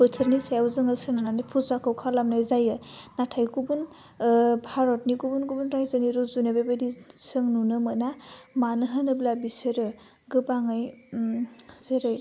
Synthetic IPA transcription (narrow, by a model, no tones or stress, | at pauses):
pɯtʰɯɾnisajawzɯŋasɯŋnananipʰuzakʰɯwkʰalamnajzajɯnatʰajkubun | bʱaɾɔt̚nikubunɡubunɾajzaniɾuzunebebedisɯŋnunɯmɯnamanɯɦɯnɯblabisɯɾɯ | ɡɯbaŋɯj | z̥eɾɯj